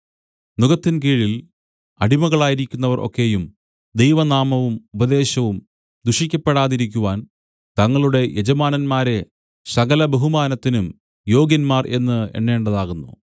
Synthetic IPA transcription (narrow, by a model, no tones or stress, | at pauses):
nuɣɐt̪ːinkiːɻil | ɐɽimɐɣɐɭaːjiɾikʲːunːɐʋɐrʔo̰kːe̞jum | d̪e̞jʋɐnaːmɐʋumubɐd̪e̞ːɕɐʋum | d̪uʂikʲːɐpːe̞ɽaːðiɾikʲːuʋaːn | t̪ɐŋːɐɭuɽe̞jʔed͡ʑɐmaːnɐnmaːɾe̞ | sɐɣɐlɐbeɦumaːnɐt̪ːinum | jo̞ːɡjɐnmaːrʔe̞nːɨḛnːe̞ːɳɖɐðaːɣunːṵ